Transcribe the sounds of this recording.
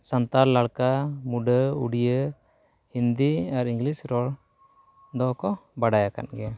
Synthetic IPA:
sant̪aɾlaɽkamuɖəuɽijə | hind̪iaɾiŋɡlisɾɔɭ | d̪ɔkɔbaɽajaka̰nɡɛ

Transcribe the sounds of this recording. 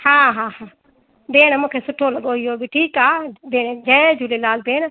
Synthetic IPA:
hãːɦãːhãː | beːɳmũːkʰeːsʊʈʰːoːləɠoːɦɪɦoːbʱiːʈʰiːkaːbeːɽd͡ʒɛːd͡ʒʱuːleːlaːlbeːɽ

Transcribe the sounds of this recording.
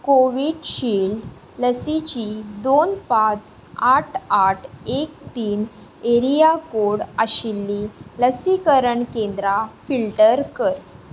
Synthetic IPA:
koʋiːɽɕiːɭ | ləsit͡ɕid̪onpãt͡s | aʈʰaʈʰek̚t̪iːn | eɾijakoɽəɕilːiləsikəɾəɳkend̪ɾafilʈəɾkəɾ

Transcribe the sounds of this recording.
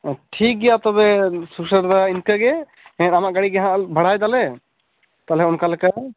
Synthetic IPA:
ʈʰik̚ɡɛjat̪ɔbɛsusəɾd̪ainkəɡɛ | ɛ̃namaʔɡaɽiɡaɦãʔbʱəɽ̤ajd̪alɛ | t̪alɦɛunkalɛka

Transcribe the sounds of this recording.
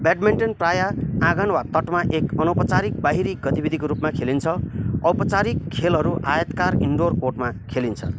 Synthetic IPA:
beɖmeɳʈʌnprajaãɡʌnwat̪ʌʈmaʔekʌnʌpʌt͡saɾik̚baɦiɾik̚ɡʌt̪ibid̪ʱikoɾupmakʰelint͡sʰʌʌwpʌt͡saɾikʰːelɦʌɾuʔajʌt̪kariɳɖorkoʈmakʰelint͡sʰʌ̰

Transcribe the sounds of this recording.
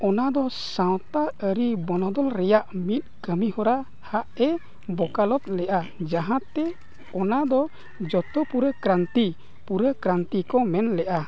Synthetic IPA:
ɔnad̪ɔsãw̃t̪aəɾibɔnɔd̪ɔlɾɛjaʔmit̪̚ˀkəmihɔɾa | haʔɛ | bɔkalɔt̪̚lɛʔad͡ʒaɦãt̪ːɛ | ɔnad̪ɔ | d͡ʒɔt̪ɔpuɾəkɾant̪i | puɾəkɾant̪ikɔmɛnlɛʔa

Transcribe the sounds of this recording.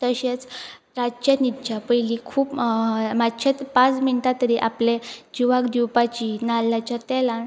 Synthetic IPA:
t̪əɕet͡s | ɾad͡ʑt͡ɕenit̪t͡ɕapəjlikʰuːpmat͡ɕʰet̪pãt͡sminʈ̪at̪əɾiʔapled͡ʑiʋakd̪iwpat͡ɕinalːjat͡ɕat̪ɛlan

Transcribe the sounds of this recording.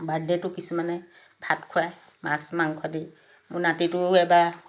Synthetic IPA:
baɹdɛtʊkisumanɛ | bʰʱatkʰuaj | masmaŋkʰwadi | mʊnatitʊɛba

